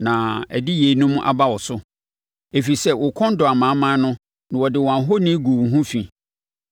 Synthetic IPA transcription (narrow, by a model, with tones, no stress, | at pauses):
nã˨æ̰˨dɪ˦je˨˦nʊ̃˦m˦ʔa̰˨ba˦wɔ˨sʊ˦ | e˨fi˨sɛ˦wʊ˨kʰɔ̃˦n̩˦dɔ˨a˨mã˨˦mã˦nʊ̃˦ | nã˨wɔ˨dɪ˨wɔ̃˨a˨ɦo˦nĩ˦ɡu˨ɦũ˦fĩ˨